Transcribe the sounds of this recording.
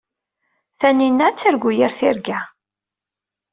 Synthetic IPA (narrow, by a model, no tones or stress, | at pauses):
θæninːæt͡sːəɾɡʷujəɾθɪɾɡæ